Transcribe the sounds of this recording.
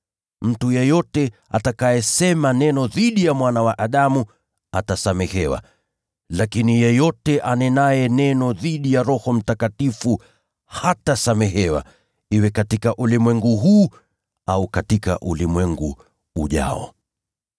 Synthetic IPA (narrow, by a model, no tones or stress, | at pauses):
m̩tujɛjɔtɛa̰takajɛsɛmanɛnɔðiɗijamwanawaʔaɗamu | atasamɛhɛwa̰ | lakinijɛjɔtɛʔanɛnajɛnɛnɔðiɗijaɾɔhɔm̩takatifu | hatasamɛɦɛwa̰ | iwɛkatikaʔulimwɛŋɡuɦuː | aukatika̰ʔulimwɛŋɡuː | ʄa̰ɔ̰